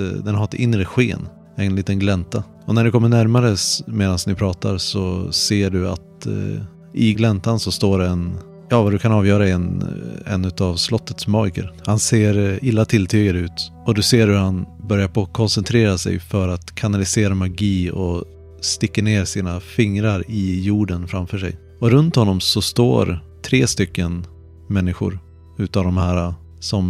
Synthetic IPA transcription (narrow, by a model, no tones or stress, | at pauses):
d̪ɛnhaɾɛt̪ɪnɾəɧeːn | ɛnliːt̪ənɡlɛnt̪a | ɔnæɖɛkʰɔmːəɳæɾmaɾəsmeːd̪ansnɪpʰɾɑːt̪aɾsɔseːɖɵa̰t̪ | ʔɪɡlɛnt̪ansɔst̪oːɾɛn | jɑːvad̪ɵkʰanɑːvjœːɾaɛnɛ̰nːʉt̪avslɔt̪ːət̪smɔjkə̰ɾhanseːɾɪlːat̪ʰɪlt̪ʰyːɡad̪əʉ̟ːt̪ɔd̪ɵseːɾhɵɾhanbœɾjaɾpʰokʰɔnsɛnt̪ʰɾeːɾasɛ̰jfœɾat̪kʰanalɪseːɾamaɡiːɔ | st̪ɪkːəɳeːɾsiːnafɪŋɾaɾɪjuːɖənfɾamfœːʂɛ̰j | ɔɾɵnt̪hɔnːɔmsɔst̪o̰ːɾt̪ʰɾeːst̪ʏkːən | mɛnːɪɧʊ̰ɾ | ʉ̟ːt̪avd̪ɔmhæːɾa | sɔm